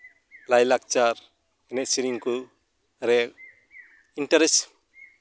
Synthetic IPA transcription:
lajlak̚t͡ʃaɾ | ɛnɛt̚siɾiŋku | ɾɛk | inʈaɾes

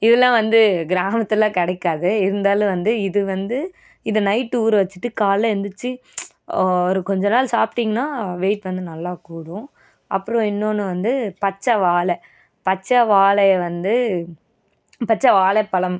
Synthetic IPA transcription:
ɪðɐlːãːʋɐnd̪ɯɡɪɾaːmɐt̪ːɪlãːkɐɽɐɪkːaːðɯɪɾɯnd̪aːlɯ̃ʋɐnd̪ɯɪðɯʋɐnd̪ɯ | ɪnðɐnɐɪʈːuːɾʋɐt͡ʃːɯ̥ʈːɯkaːlːɐɛnd̪ɯt͡ʃːɯ | ɔɾɯkɔɲd͡ʒɐnaːlsaːpʈiŋɡɐnaːʋeːʈʋɐnd̪ɯnɐlːaːkuːɽʊ̃ | ʔɐpːɯɾõɪnːoːnːɯʋɐnd̪ɯpɐt͡ʃːɐʋaːlɛ | pɐt͡ʃːɐʋaːlɐjɐʋɐnd̪ɯ | pɐt͡ʃːɐʋaːlɛpːɐlɐm

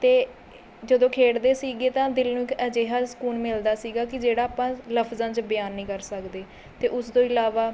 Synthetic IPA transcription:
t̪eː | d͡ʒəd̪õːkʰeːɽd̪eːsiːɡeːt̪ãːd̪ɪlnũːɪkɛːd͡ʒeːɦaːsə̥kuːnmɪld̪aːsiːɡaːkɪd͡ʒeːɽaːpãːləfʰzãːt͡ʃbɪjaːnːĩːkəɾsəkd̪eː | t̪eːʔʊsd̪õːɪlaːʋaː

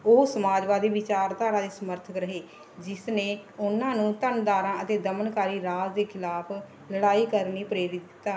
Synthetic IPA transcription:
oːsəmaːd͡ʒʋaːd̪iːʋɪt͡ʃaːɾt̪aːɾaːd̪eːsəməɾt̪ʰəkɾəɦeː | d͡ʒɪsneːʊnãːnũːt̪ənd̪aːɾãːət̪eːd̪əmənkaːɾiːɾaːd͡ʒd̪eːkʰɪlaːpʰ | ləɽaːiːkəɾniːpɾeːɾɪt̪̚d̪ɪt̪ːaː

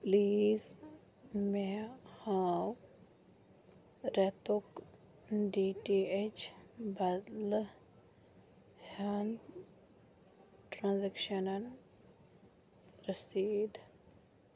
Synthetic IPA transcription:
pliːz | mehaw | ɾɛt̪ok | ɖiːʈiet͡ʃbɐd̪l | han | ʈɾãːnzekʃɐnɐn | ɾəsiːd̪

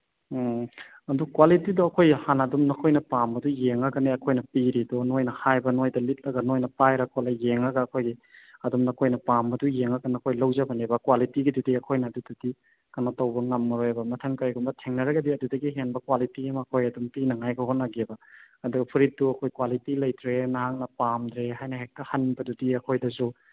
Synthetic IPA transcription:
ɐdukwalitidɔɐkʰojhanɐdumnɐkʰojnɐpambɐdujeŋɐɡɐneɐkʰojnɐpiɾidɔnojnɐhajbɐnojdɐlit̚lɐɡɐnojnɐpajɾɐkʰolajeŋɐɡɐːkʰojɡiɐdumnɐkʰojnɐpamːɐdujeŋɐɡɐnɐkʰojlɐwzɐbɐnebɐkwalitiɡidudiɐkʰojnɐːdududi | kɐnatɐwbɐŋɐmːɐɾojebɐmɐtʰɐŋkajɡumbɐtʰeŋnɐɾɐɡɐdiɐdudɐɡiɦenbɐkwalitiɡimɐkʰojɐdumpinɐŋajɡɐɦotnːaɡebɐ | ɐduɡɐpʰuɾit̚duɐkʰojkwalitilɐjtɾenahaŋnɐpamdɾehajnɐɦek̚tɐhɐnbɐdudiɐkʰojdɐzu

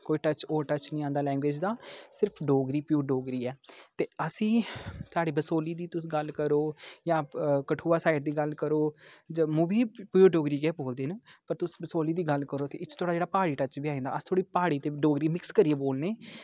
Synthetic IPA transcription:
koːiːʈət͡ʃoːʈət͡ʃnĩːãːnd̪aːlɛ̃ːŋɡweːd͡ʒd̪aːsɪɾpʰɖoːɡɾiːpjuːɖoːɡɾiːɛːt̪eːəsĩːsaːɖiːbəsoːliːd̪iːt̪ʊsĩɡəlkəɾoːjãːkəʈʰuːaːsaːɪʈ̚d̪iːɡəlkəɾoːd͡ʒəmuːbiːpuːɖoːɡɾiːɡɛːboːld̪eːnəpəɾt̪ʊsbəsoːliːd̪iːɡəlkəɾoːt̪eːɪt͡ʃʰːt̪ʰoːɽaːd͡ʒeːɽaːpaːɽiːʈət͡ʃbiːaːẽːnd̪a̰ːəst̪ʰoːɽiːpaːɽiːt̪eːɖoːɡɾiːmɪkskəɾieːboːlneː

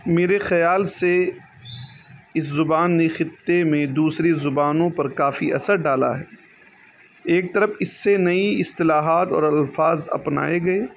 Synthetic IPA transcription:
meːɾexɐjaːlse | ɪszʊbaːnːexɪt̪ːemẽd̪uːsɾezʊbaːnõpɐɾkaːfiʔɐ̰səɾɖaːla̰ɦɛː | eːk̚t̪ɐɾəfɪsːenɐiɪst̪ɪlaːɦaːt̪ɔ̰ːɾɐlfaːzɐ̰pna̰ːeɡɐeː

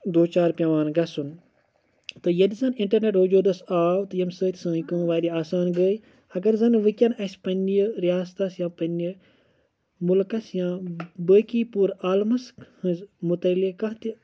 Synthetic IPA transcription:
d̪oːt͡ʃaːɾpʲjɐʋaːnɡɐsun | t̪ɨjɐd̪izɐnĩɳʈɐɾneʈɦoːd͡ʒoːd̪ɐsaːwt̪ɨjɐmsəːt̪ʰʲsɐ̃ːkə̃ːʋaːɾiaːsaːnɡəːj | ɐɡɐɾzɐnʋɨkʲɐnɐsʲpɐnʲjəɾjaːst̪ɐsjãːpɐnji | mulkɐsjãːbəːkiːpuːɾaːlmɐshɨ̃zmut̪ɐlikɐɦt̪i

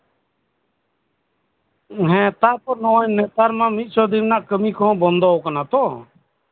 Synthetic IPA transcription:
ɦɛ̃t̪apɔɾnɔwaɲnɛt̪aɾmãmit̪̚ˀt͡ʃʰɔd̪innaʔkəmikʰɔɔ̃bɔnd̪ɔɔkanat̪ɔ̃

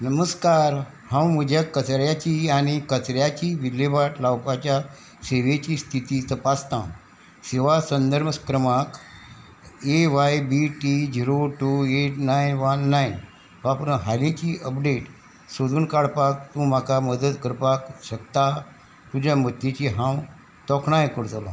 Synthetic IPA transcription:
nəməskaɾ | hãwməd͡ʑʱakət͡sɾjat͡ɕiːaɽ̃ikət͡sɾjat͡ɕiːʋilebaʈlawpat͡ɕja | seʋet͡ɕiːst̪ʰit̪iːt̪əpast̪ã | siʋasənd̪əɾməskɾəmak | eʋajbiʈid͡ʑiɾoʈueʈnajnʋənːajn | ʋapɾɦalẽt͡ɕiəpɖeʈ | sod̪uːnkaɽpak̚t̪ũm̤akaməd̪ət̪kəɾpakɕəkt̪a | t̪ud͡ʑjamət̪ːet͡ɕiɦãw | t̪ɔkɳajkəɾt̪alɔ̰

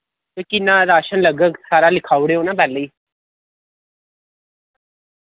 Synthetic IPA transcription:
t̪ekɪnːãːɾaːʃənləɡəksaːɾaːlɪkʰaːuɽeːoːnãːbɛːləiː

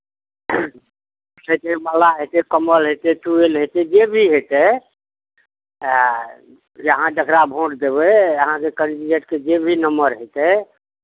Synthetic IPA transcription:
sət̪eməlaɦet̪ɛkəməlɦet̪ɛt̪uelɦet̪ɛd͡ʒebʱiɦet̪ɛ | jəɦãɖəkɾabʱõʈd̪ebɛəɦãkekənd͡ʒieʈked͡ʒebʱinəmbəɾɦet̪ɛ

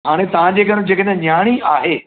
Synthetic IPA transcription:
ɦaːɽ̃et̪ɐʋ̤ãd͡ʑeːkɐɽ̃d͡ʑeːkəɗ̃ɲaːɽ̃iʔaːɦeː

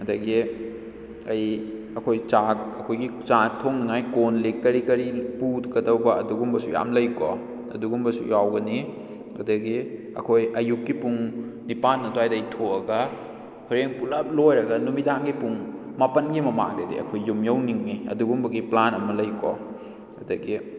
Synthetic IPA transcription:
ɐdɐɡi | ɐj | ɐkʰojt͡ʃaɐkʰojɡit͡ʃatʰoŋnɐŋajkonlikːɐɾikɐɾiputkɐdɐwbɐɐ̰duɡumbɐsuja̰mlɐjko̰ | ɐ̰duɡumbɐsṵjawɡɐni | ɐ̰dɐɡi | ɐ̰kʰojɐjukːipuŋnipanːɐdoajdɐjtʰoɐɡɐ | huɾeŋpulɐp̚lojɾɐɡɐnumidaŋɡipuŋmapɐnɡimɐma̰ŋdɐdḭɐ̰kʰojːumjɐwniŋniɐ̰duɡumbɐɡiplanɐmɐlɐjkɔ̰ | ɐdɐɡi

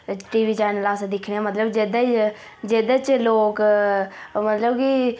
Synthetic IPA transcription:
ʈiːʋiːt͡ʃaːnəlaːsd̪ɪkʰɽeaːmət̪ləbd͡ʒeːd̪at͡ʃ | d͡ʒeːd̪at͡ʃloːk | mət̪ləbki

